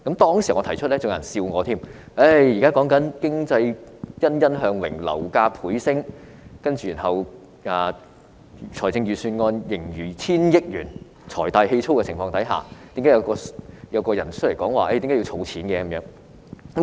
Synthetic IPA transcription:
kɐ˨˥mt̪ɔː˥ŋsiː˨˩ŋɔː˨˧tʰɐ˨˩jt͡ʃʰɵ˥t̚lɛː˥t͡sʊ˨˧ŋ˨˩nsiː˧wŋɔː˨˧t̪ʰiː˥˩m | ʔe˥˩jiː˨kaː˥kɔː˨˥ŋkɐ˨˥nkɪ˥ŋt͡sɐ˧jjɐ˥njɐ˥nɦœː˨˧ŋwɪ̰˨˩ŋlɐ̰˨˩wkaː˧pʰuː˨˥jsɪ˥ŋ | kɐ˥nt͡ʃyː˨i˨˩nɦɐ˨w | aː˨˧ | t͡ʃʰɔː˨˩jt͡sɪ˧ŋjyː˨syː˧nŋɔː˧njɪ˨˩ŋjyː˨˩t͡sʰiː˥njɪ˥k̚jyː˨˩n | t͡sʰɔ̰ː˨˩jt̪aː˨jhe˧jt͡sʰo˥wkɛː˧t͡sʰɪ˨˩ŋfɔː˧ŋt̪ɐ˨˥jɦa̰ː˨˩t̪i˨˦˥kaː˨˥jɐ˧wkɔː˧jɐ˨˧wkɔː˧jɐ˨˩nt͡ʃʰt̚le˨˩kɔː˨˥ŋwaː˨ʔe˥˩tiː˨˦kaː˥jt͡sʰo˨˧wt͡sʰiː˨˥nkɛː˧kɐ˨˦mjœː˨˥ŋ | k

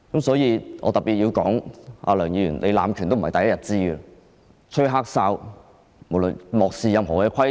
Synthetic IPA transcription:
kɐ˨˦msɔː˨˥jiː˧ʔɔ̰ː˧t̪ɐ˨˩pi˨t̚jiː˧wkɔː˨˥ŋa̰ː˧lœː˨˩ŋjiː˨˧jyː˨˩nlʔe˨˧la̰ː˨˧mkʰy˨nt̪o˥m̩˨˩hɐ˨jt̪ɐ˨jɐ˥jɐ˨˩t̚t͡siː˥ɡə˧ | t͡ʃʰɵ˥ɦaː˥k̚saː˧˥w | mo˨˩wlɵ˨˩nmɔː˨k̚siː˨˧jɐ˨˧mɦɔː˨˩kɛː˧kʰɐ˥j

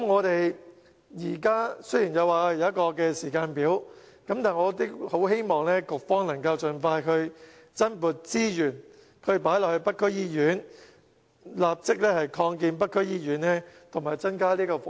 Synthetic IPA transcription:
mŋɔː˨˧t̪e˨j | jiː˨˩kaː˥sɵ˥jiː˨˩njɐ˨˧waː˨jɐ˨˧wjɐ˥t̚kɔː˧kɛː˧siː˨˩kaː˧npiː˨˥w | kɐ˨˥mt̪aː˨nŋɔː˨˧˥t̪i˥ho˨˥wɦe˥jmɔː˨ŋlɛː˥kʊ˨k̚fɔː˥ŋlɐ˨˩ŋkɐ˧wt͡sɵ˨nfaː˧jkʰɵ˧ɥ | t͡sɐ˥npuː˨˩t̚t͡siː˥jyː˨˩n | kʰɵ˨˧ɥpaː˨˥jlɔː˨k̚hɵ˧ɥpɐ˥t̚kʰːɵ˥jiː˥jyː˨˥n | laː˨p̚t͡sɪ˥k̚lɛː˥hɐ˨jkʰɔː˧ŋk̬iː˧npɐ˥t̚kʰːɵ˥ɥjiː˥jyː˨˥nnɛː˥t̪ʰʊ˨˩ŋmaː˨˩jt͡sɐ˥nkaː˥liː˥kɔː˧

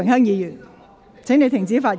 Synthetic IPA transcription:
ŋhœː˥ŋjiː˨˧jy˨˩n | t͡sʰe˨˥ŋne˨˧jt̪ʰɪ˨˩ŋt͡siː˨˥faː˧t̚

